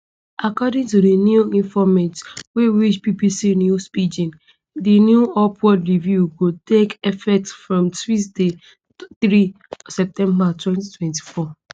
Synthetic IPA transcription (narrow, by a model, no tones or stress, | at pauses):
ʔakɔdĩŋtudenjuĩnfɔmɛ̃ntweɹit͡ʃpipisinjuspid͡ʒĩn | dinjuɔpʰwɔdɹivjuɡotekɛfɛtsfɹɔ̃mswis̬de | θɹi | sɛp̚tɛ̃mbatwɛ̃nti̥tʰwɛ̃nti̥fɔ